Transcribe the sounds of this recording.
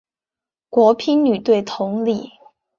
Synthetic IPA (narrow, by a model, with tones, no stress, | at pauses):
kwɔ˧˥pʰi˥nny˨˩t̪we˥˩ɪt̪ʰʊ˧˥ŋli˥˩